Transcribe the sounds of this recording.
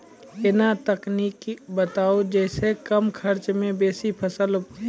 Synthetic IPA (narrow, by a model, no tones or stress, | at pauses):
ɪnat̪əkniːkbət̪aːod͡ʒɛːsekəmkʰəɾt͡ʃmẽbeːsipʰəsəl